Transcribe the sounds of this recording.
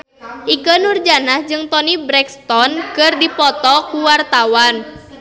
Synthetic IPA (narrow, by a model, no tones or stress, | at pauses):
ʔikənurd͡ʒanahd͡ʒɨŋt̪ɔnibɾɛkst̪ɔnkərdipɔt̪ɔkuwart̪awan